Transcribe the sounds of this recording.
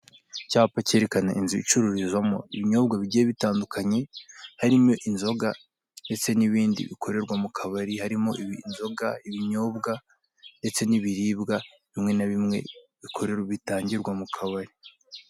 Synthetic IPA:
caːpace̞ɾe̞kanaʔinzuit͡ʃuɾuɾizwamo̞̰iβiɲo̞ːbɡaβiɟijeβitaːndukaɲe̞haɾimo̞ʔinzo̞ɡa | nde̞t͡se̞niβiːndḭβḭkʰo̞ɾe̞ɾɡwamukʰaβaɾihaɾimo̞ʔiβinzo̞ɡaiβiɲo̞ːbɡa | nde̞t͡se̞niβiɾiːbɡa | βimŋe̞naβimŋe̞̰βikʰo̞ɾeɾβitaːɲɟiɾɡwamukʰaβaɾi

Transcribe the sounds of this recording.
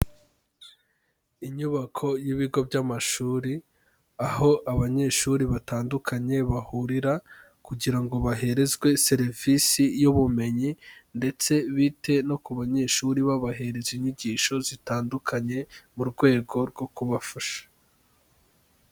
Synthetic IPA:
iɲuβakʰo̞jiβiɡo̞bɟamaʃuːɾi | aho̞ʔaβaɲe̞ːʃuɾiβataːndukʰaɲe̞βahuɾiɾa | kuɟiɾaŋɡo̞βaɦe̞ɾe̞zɡwe̞se̞ɾivisijuβume̞ɲinde̞t͡se̞βite̞no̞kuβaɲe̞ːʃuɾiβaβaɦe̞ɾe̞ziɲiɟiːʃo̞zitaːndukʰaɲe̞muɾɡwe̞ːɡo̞ɾɡo̞kuβafaʃḁ

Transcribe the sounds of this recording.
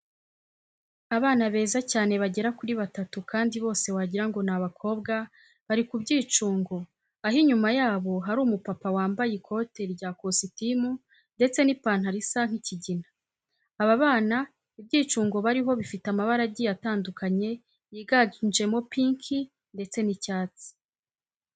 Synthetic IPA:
aβaːnaβe̞ːzacaːne̞βaɟe̞ɾakuɾiβatatukaːndiβo̞ːse̞waɟiɾaŋɡo̞naβakʰo̞ːbɡa | βaɾikubɟiːt͡ʃuːŋɡo̞ | aɦiɲumajaːβo̞ɦaɾuːmupapawaːmbajekʰo̞te̞ɾɟaːkositimu | nde̞t͡se̞nipaːn̥haɾisaŋ̥hiciɟinaː | βaβaːna | ibɟiːt͡ʃuːŋɡo̞βaɾiɦo̞βifitamaβaɾaɟijataːndukʰaɲe̞ | jiːɡand͡ʒe̞mo̞piŋkʰi | nde̞t͡se̞nicaːt͡si̥

